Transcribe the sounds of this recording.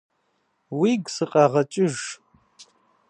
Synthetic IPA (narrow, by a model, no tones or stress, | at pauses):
wiːɡʷsɨqʼɑːʁɐt͡ʃʼɪʒ